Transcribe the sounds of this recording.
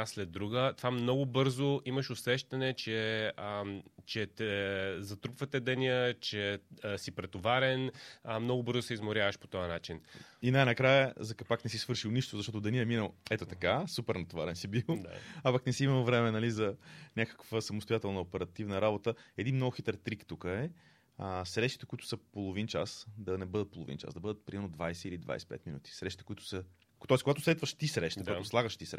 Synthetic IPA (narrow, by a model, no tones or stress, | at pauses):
slɛd̪ːɾuɡət̪vamnɔɡʊbɤɾzʊʔiməʃʊsɛʃt̪ɐnɛt͡ʃɛ | t͡ʃɛt̪ɛzɐt̪ɾupvət̪ɛd̪ɐniət͡ʃɛsipɾɛt̪ovaɾɛnmnɔɡʊbɤɾzʊsɛizmʊɾʲjavəʃpo̥t̪ɔjənat͡ʃininajnɐkɾajəzɐkɐpaknɛsisvɤɾʃilˠniʃt̪ʊzɐʃt̪ɔt̪ʊd̪ɐniɛminəlˠɛt̪ot̪ɐkasupɛɾnɐt̪ovaɾɛnsibilˠd̪a̰apaknɛsiiməlˠvɾɛmɛnɐlizɐnʲakə̥kvəsɐmoʊst̪ojat̪ɛlˠnəopɛɾɐt̪ivnəɾabot̪əɛd̪inmnɔɡʊxit̪ɛɾt̪ɾikt̪ukəɛ | əsɾɛʃt̪i̥t̪ɛkʊit̪ʊ̥səpolˠovint͡ʃasd̪ɐnɛbɤd̪ət̪̚polˠo̰vḭnt͡ʃa̰zd̪ɐbɤd̪ət̪̚pɾimɛɾnod̪vajsɛilid̪va̰jsɛ̥pɛ̰t̪minṵt̪i̥sɾɛʃt̪it̪ɛ̥kʊit̪ʊ̥sə | t̪ɔɛskoɡat̪o̥slɛt̪vəʃt̪isɾɛʃt̪koɡaoslˠaɡəʃt̪isɾɛ